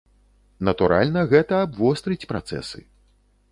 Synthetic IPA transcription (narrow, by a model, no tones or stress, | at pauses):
nɐt̪uɾa̰lʲnɐɣɛt̪ɐːbvɔst̪ɾɨt͡sʲpɾa̰t̪sɛ̰sɨ̰